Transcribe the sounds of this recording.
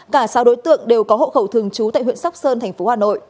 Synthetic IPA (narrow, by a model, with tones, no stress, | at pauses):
kaː˧˩saː˨˧wɗo˨˦jt̪ɨ̰˧˨əŋɗe˨˩wkɔ˨˦ɦo̰˧˨xə˧˩wt̪ʰɨ˨˩əŋt͡ɕu˨˦t̪a̰ː˧˨jɦwḭ˧˨ənsa˦˥wk͡p̚səː˧nt̪ʰɛ˨˩jŋ̟fo˨˦haː˨˩no̰˧˨j